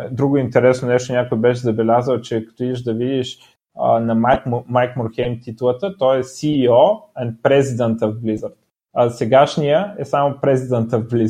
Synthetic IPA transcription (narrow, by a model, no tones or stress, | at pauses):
d̪ɾuɡʊint̪ɛɾɛsnonɛʃt̪onʲakojbɛʃɛzɐbɛlʲazəlˠt͡ʃɛkɐ̥t̪ɔid̪iʃd̪ɐvid̪iʃ | ə̰nɐmajkmajkmoɾxɛjmt̪it̪ulˠət̪ət̪ɔɛsiːɔɛnt̪̚pɾɛzid̪ɛnt̪əvblizəɾt̪ | ɐsɛɡaʃnijəɛsamopɾɛzid̪ənt̪əvbli